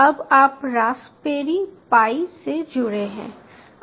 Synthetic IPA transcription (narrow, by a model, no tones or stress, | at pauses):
ɐbaːpɾaːspeːɾipaːised͡ʒʊɽeɦɛ̰̃ː